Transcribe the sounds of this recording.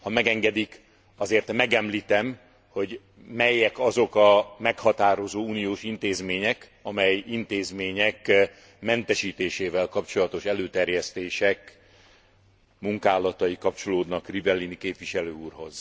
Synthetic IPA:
hɒmɛɡɛŋɡɛd̪ik | ɒzeːrt̪mɛɡɛmliːt̪ɛm | ho̞ɟ | mɛjːɛkɒzo̞kɒmɛkhɒt̪aːɾo̞zoːuːnijoːʃint̪eːzmeːɲɛk | ɒmɛjint̪eːzmeːɲɛk | mɛnt̪ɛʃiːt̪eːʃeːvɛlkɒpt͡ʃo̞lɒt̪o̞ʃɛløːt̪ɛrjɛst̪eːʃɛk | muŋkaːlɒt̪ɒjikɒp̚t͡ʃo̞loːd̪nɒkrivɛlːinikeːpvʋiʃɛløːuːrɦo̞z

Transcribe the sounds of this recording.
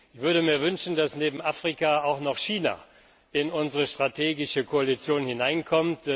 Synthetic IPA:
ɪçv̥ʏɐdəmiːɐvʏnʃn̩dasneːbm̩ʔaːfʁ̥ikaaʊxnɔχʃiːna̰ | ɪnʊnzəʁəʃtʁ̥atʰeːɡɪʃəkʰoalit͡sjoːnhɪnaɪnkʰɔmt

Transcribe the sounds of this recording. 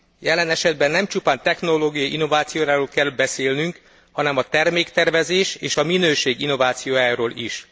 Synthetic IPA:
jɛlɛnɛʃɛd̪̚bɛnːɛmt͡ʃupaːnt̪ɛxnoloːɡijɒḭnːo̞vaːt̪sijoːɾaːɾoːlkɛlːbɛseːlnyŋk | hɒnɛmɒt̪ɛrmeːkt̪ɛrvɛzeːʃḛːʃɒminøːʃeːɡinːo̞vaːt̪sijoːjaːɾoːliʃ

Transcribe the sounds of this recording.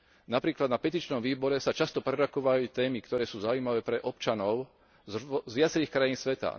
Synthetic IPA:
napɾiːklad̪napɛt̪iːt͡ʃnɔmʋiːbɔɾɛsat͡ʃast̪ɔpɾɛɾɔkɔʋajit̪ɛːmikt̪ɔɾɛːsuːzaujmaʋɛːpɾɛʔɔpt͡ʃanɔʊ | zʋɪat͡sɛɾiːxkɾajiːnsʋɛt̪a̰

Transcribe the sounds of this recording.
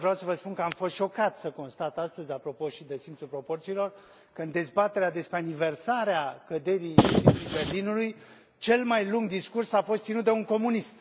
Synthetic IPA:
vɾeawsəvəspunkəamfost̪ʃo̞kat̪səko̞nst̪at̪ast̪əzʲapɾo̞po̞ʃid̪esimt̪sulpɾo̞po̞rt̪siːlo̞r | kəɨnd̪e̞zbat̪eɾead̪e̞spɾeanive̞rsaɾeakəd̪e̞ɾijiibe̞rlinuluj | t͡ʃe̞lmajluŋɡd̪iskursafo̞st̪sinut̪̚d̪euŋko̞munist̪

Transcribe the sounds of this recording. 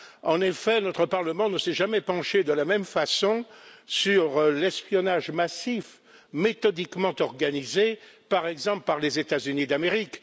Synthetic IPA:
ɑ̃nefɛnɔt̪χəpaʁləmɑ̃nəsɛʒamɛpɑ̃ʃed̪əlamɛmfasɔ̃syʁlɛspjɔnaʒmasif | met̪ɔd̪ikmɑ̃t̪ɔʁɡanizepaʁɛɡzɑ̃plpaʁlezet̪azynid̪ameʁik

